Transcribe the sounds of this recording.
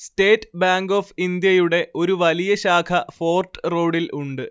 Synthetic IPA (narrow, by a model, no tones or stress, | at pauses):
sʈe̞ːtːbaːŋɡoːfind̪jɐjuɽe̞ʔʔo̞ɾuʋɐlijɐɕaːkʰɐfo̞ːrʈro̞ːɽilʔuɳɖɨ